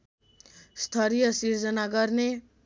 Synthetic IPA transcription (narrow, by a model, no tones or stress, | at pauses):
st̪ʰʌɾijʌsird͡zʌnaɡʌrne